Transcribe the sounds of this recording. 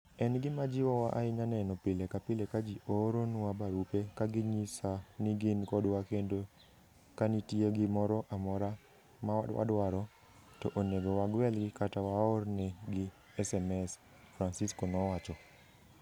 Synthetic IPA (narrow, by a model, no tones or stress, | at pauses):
ɛnɡɪmad͡ʒɪwɔwaʔaɪɲanɛnɔpɪlekapɪlekad͡ʒiʔoɾonʊwabaɾupekaɡɪɲisanɪɡɪnkɔdwakendo | kanɪtjeɡɪmɔɾɔʔamɔɾa | maadwa̰dwaɾɔ | tɔʔoneɡowaɡwɛlɡɪkatawaɔrnɛɡɪ | ɛsɛmɛs | fɾansiskɔnɔwat͡ʃɔ